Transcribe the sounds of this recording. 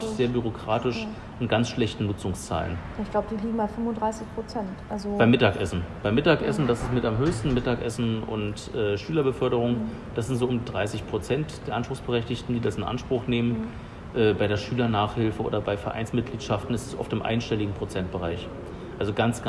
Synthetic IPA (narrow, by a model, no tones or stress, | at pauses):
z̥eːɐbyʁ̞okʁ̥aːtɪʃ | ʔɪnɡant͡sʃlɛçtn̩nʊt͡sʊŋst͡sa̰ːlə̰n | ɪçɡ̥laʊbədiːliːɡŋ̩baɪfʏmʊndʁaɪsɪçpʁ̥ot͡sɛntʔalzob̥aɪmɪtaːkʔɛsn̩b̥aɪmɪtaːkʔɛsn̩d̥asɪstmɪtamɦøːçstn̩mɪtaːkʔɛsn̩ʊ̰ntʔɛːʃyːlɐbəfœɐɾəʁ̞ʊŋ | d̥asz̥ɪntz̥oːʔʊmdiːdʁaɪsɪçpʁ̥ot͡sɛntd̥eːɐʔanʃpʁ̥ʊxsb̥əʁɛçtɪçtn̩diːdasɪnʔa̰nʃpʁ̥ʊχneːmən | ʔɛːbaɪɾeːɐʃyːlɐnaːχhɪlfəʔo̰ːdɐbaɪfɛɐʔa̰ɪnsmɪt̚ɡ̥liːtʃaftn̩ɛstɛ̥sʔɔ̰ftɪmʔa̰ɪnʃtɛlɪɡŋ̩pʁ̥ot͡sɛnt̚b̥əʁaɪç | ʔalzoɡant͡sɡ̥